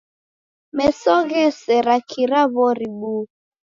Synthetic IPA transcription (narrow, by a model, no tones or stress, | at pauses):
mɛsɔɣɛsɛɾakʰiɾaβɔɾiɓu